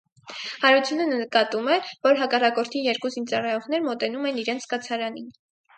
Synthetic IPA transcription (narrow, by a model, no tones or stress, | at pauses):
hɑɾut͡sʰjunənəəkɑt̪umɛvɔɾɦɑkɑrɑkɔɾt̪ʰijɛɾkuzint͡sɑrɑjɔʁnɛɾmɔt̪ɛnumɛniɾɛnt͡sʰkɑt͡sʰɑɾɑnin